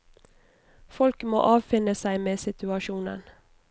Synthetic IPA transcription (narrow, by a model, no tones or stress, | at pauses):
fɔlkmo̰ːʔɑːʋfɪnəsæɪmeːsɪt̪ʉɑʃuːnə̰n